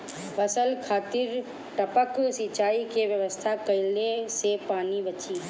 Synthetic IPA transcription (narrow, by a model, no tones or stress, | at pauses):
bəsəlkʰaːt̪ɪɾ | ʈəpəksit͡ʃaːikeʋjəʋəst̪ʰakəɪlesepaːnibət͡ʃi